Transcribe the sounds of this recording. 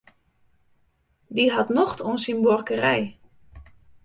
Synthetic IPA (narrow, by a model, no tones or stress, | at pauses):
diɦatnɔxtonsinborkərɛj